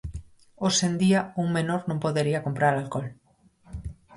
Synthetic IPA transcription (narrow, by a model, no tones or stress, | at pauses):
osend̪iɐuŋmenoɾnõmpoðeɾiɐkompɾaɾalkɔl